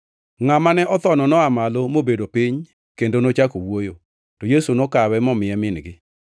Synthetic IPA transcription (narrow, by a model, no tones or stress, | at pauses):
ŋamanɛʔɔt̪ɔnɔnɔamalomobedopiɲ | kendonot͡ʃakowojo | tɔjesunokawɛmɔmɪɛmɪnɡɪ